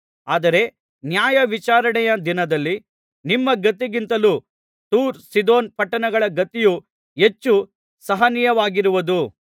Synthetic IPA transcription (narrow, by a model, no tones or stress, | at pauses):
aːd̪ɐɾe̞ | njaːjɐʋit͡ʃaːɾɐɳɛjɐd̪inɐd̪ɐlːi | nimːɐɡɐt̪iɡint̪ɐlu | t̪uːɾsid̪oːnpɐʈːɐnɐɡɐɭɐɡɐt̪iju | e̞t͡ʃːu | sɐɦɐnijɐʋaːɡiɾuʋɐd̪u